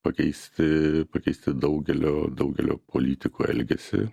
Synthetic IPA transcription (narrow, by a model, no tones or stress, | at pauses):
pɐkʲɛɪsʲt̪ʲɪpɐkʲɛɪsʲt̪ʲɪd̪ɐʊɡʲɛlʲoːd̪ɐʊɡʲɛ̰lʲo̰ːpʰolʲiːt̪ʲɪkuɛ̰lʲɡʲɛ̰sʲɪ̰